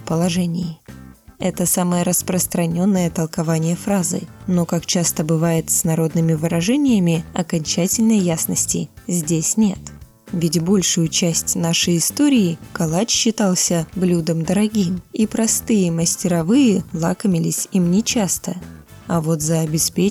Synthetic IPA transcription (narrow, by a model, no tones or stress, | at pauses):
pəlˠɐʐɛnʲɪj | ɛt̪əsaməjəɾəspɾəst̪ɾɐnʲo̞nːəjət̪əlˠkɐvanʲɪjəfɾazɨ̰no̞kakt͡ɕast̪əbɨvajɪt̪snɐɾo̞d̪nɨmʲɪvɨɾɐʐɛnʲɪjəmʲɪɐkɐnʲt͡ɕætʲɪlʲnəjːasnəsʲtʲɪ̰zʲdʲesʲnʲe̞t̪ | vʲɪtʲbo̞lʲʂʊjʊt͡ɕæsʲtʲnaʂəjɪst̪o̞ɾʲɪɪkɐlˠat͡ɕɕːɪt̪alˠsʲəblʲud̪əmd̪əɾɐɡʲimipɾɐst̪ɨjəməsʲtʲɪɾɐvɨjəlˠakəmʲɪlʲɪsʲimnʲɪt͡ɕast̪əɐvo̞t̪zəːbʲɪspʲe